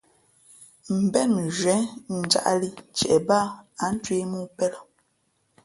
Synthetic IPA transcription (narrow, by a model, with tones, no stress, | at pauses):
m̩˨bɛ˦˨nʒɥɛ˨˦n̩˨d͡ʒa̰˦ʔli˦t͡ʃɛ̰˨ʔɛ˨baː˦a˨˦n̩˦twe˦mu˦pɛ˦lɔ˦˨